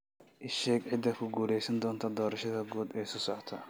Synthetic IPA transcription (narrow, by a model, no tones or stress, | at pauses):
ʔɪʃɛːɡʕɪd̪ːɐkʰʊɡuːlɛjsɐnd̪ɔːnt̪ʰɐd̪ɔːɾɐʃɐðɐɡuːd̪ɛːsʊsɔʕt̪ʰɐ